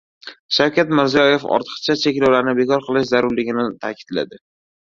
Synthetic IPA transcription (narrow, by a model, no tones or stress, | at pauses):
ʃawkʲat̪mɪɾzijɒje̞fɒ̰ɾt̪ʰɨ̥qt͡ʃʰat͡ʃʰekʲlawlaɾnɪbe̞kɒɾqʰɨlˠɪʃzaɾʊɾlɪɡʲɪnɪt̪ʰakʲʰɪ̥d̪la̰d̪ɪ